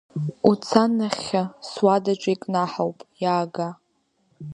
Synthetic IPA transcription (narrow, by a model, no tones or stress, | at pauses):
ut͡sʰanaχʲaswadaʈ͡ʂʷʼaikʼnaħawpʼjaːɡa